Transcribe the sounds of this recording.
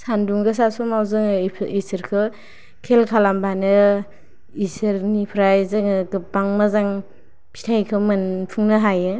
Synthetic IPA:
sanduŋɡɯs̬asɔmawzɯŋʰisɯɾkʰɯ | kʰelkʰalambanɯ | isɯɾnipʰɾajzɯŋɯɡɯbaŋmazaŋ | pʰi̥tʰajkʰɯmɯnpʰuŋnɯɦajɯ

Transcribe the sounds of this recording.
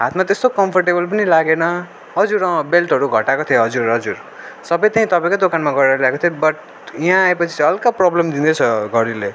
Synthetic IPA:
ɦat̪ʰmat̪est̪okʌmpʰʌrʈebʌlp̬ʌnilaɡenʌ | ɦʌd͡zuɾʌ̃belʈɦʌɾuɡʱʌʈakot̪ʰijoɦʌd͡zuɾɦʌd͡zuɾ | sʌbʌjt̪eɦĩt̪ʌpaẽkod̪okanmaɡʌɾaɾljaekot̪ʰiobʌʈ̚ | iɦãːepʌt͡sʰĩ̥ʌlkaprɔblemd̪ind̪ʌt͡sʰʌɡʌɾile

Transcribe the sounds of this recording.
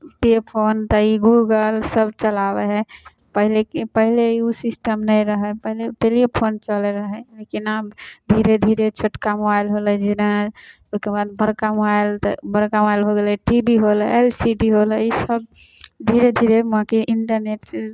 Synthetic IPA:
ʈepʰont̪əiɡuɡəlsəb̚t͡ʃəlabeɦɛ | pəɦilekepəɦileiusisʈəmnəjɾəɦɛpəɦileʈelipʰont͡ʃəlɛɾəɦɛlekinabd̪ʱiɾed̪ʱiɾet͡ʃʰoʈkamobailɦolɛd͡ʒina | oskebad̪̚bəɾkamobajlt̪bəɾkamoajlɦoɡelɛʈibiɦolelsiɖiɦoləisəb̚ | d̪ʱiɾed̪ʱiɾemɦãkiʔiɳʈəɾneʈ

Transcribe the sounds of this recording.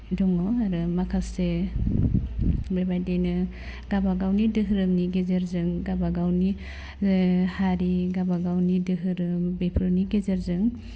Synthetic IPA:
dɔŋɔaɾɯmakʰase | bebajdejnɯ | ɡ̥abaɡawnidɯɦɯɾɯmniɡezeɾzɯŋɡabaɡawni | haɾiɡabaɡawnidɯɦɯɾɯmbepʰɾɯniɡezeɾzɯŋ

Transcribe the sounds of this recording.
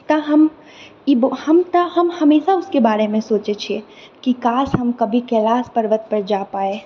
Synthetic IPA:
t̪ɐɦɐm | ibhɐmt̪əɦɐmhɐmeːʃaʊskebaːɾemẽsoːt͡ʃet͡ʃʰiekikaːsɦɐmkɐbʱikɛlaːspəɾʋət̪̚pɐɾd͡ʒaːpaːe

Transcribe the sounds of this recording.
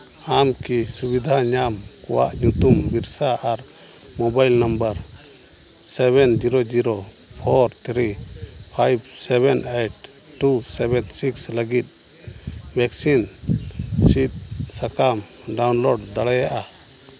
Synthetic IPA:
amkisubid̪ʱaɲam | kɔwa̰ʔɲut̪umbiɾsaʔaɾ | mɔbajlnambaɾ | sɛβɛnd͡ʒiɾod͡ʒiɾo | pʰɔɾt̪ʰɾi | pʰajb̚sɛbɛneʈ̚ː | usɛbɛnsiksləɡit̪̚ | bʱɛksin | sit̪̚sakam | ɖawnlɔɖd̪aɽɛjaʔa

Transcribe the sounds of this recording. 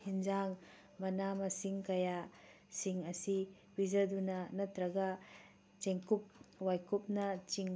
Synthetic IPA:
hind͡ʒaŋ | mɐnamɐsiŋkɐja | siŋɐsi | bid͡ʒɐdunɐnɐtɾɐɡɐ | t͡ʃeŋkup̚wajkup̚nɐt͡ʃiŋ

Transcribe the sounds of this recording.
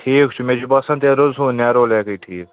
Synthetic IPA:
ʈʰiːkt͡ʃʰumed͡ʒubɐsɐ̃nt̪eːɾozɦũːnɛːɾoːlɛːkəiʈʰiːk

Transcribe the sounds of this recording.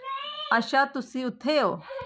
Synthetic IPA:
ɐʃat̪ʊsiʊt̪ʰeo

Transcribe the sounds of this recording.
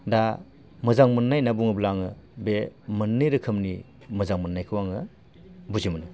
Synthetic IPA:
da | mɯzaŋmɯnːajnabuŋɯblaŋɯ̰bemɯnːɯjɾɯkʰɯmni | mɯzaŋmɯnːajkʰɯwaŋɯ | buzimɯnɯ

